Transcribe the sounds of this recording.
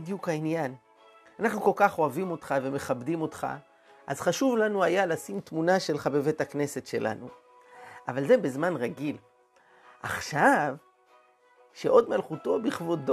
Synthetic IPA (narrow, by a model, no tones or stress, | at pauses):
djukhainjan | anaχnuko̞lkaχo̞avimo̞tχave̞me̞χabdimo̞tχa̰ | ʔazχaʃuvlanuajalasimtmunaʃe̞lχabe̞vetakne̞se̞tʃe̞lʔa̰nṵ | ʔavalze̞bezmanʁaɡil | ʔa̰χʃav | ʃe̞ʔo̞dmalχuto̞biχvo̞d